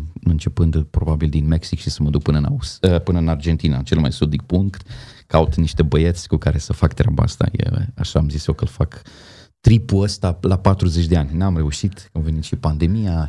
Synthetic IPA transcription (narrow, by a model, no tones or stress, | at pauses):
ɨnt͡ʃe̞pɨnd̪pɾo̞babild̪inme̞ksikʃisəməd̪uk̚pɨnəɨna̰usəpɨnəɨnard͡ʒe̞nt̪ina̰t͡ʃe̞lma̰jsud̪ik̚puŋkt̪kaut̪niʃt̪e̞bəjet̪sʲkukaɾe̞səfakt̪ɾʲa̰ba̰a̰st̪a̰jḛa̰ʃaːmzisjokəlfak | t̪ɾipuəst̪alapat̪ɾuzet͡ʃʲd̪e̞anʲnamre̞uʃit̪amve̞nit̪ʃipand̪e̞mija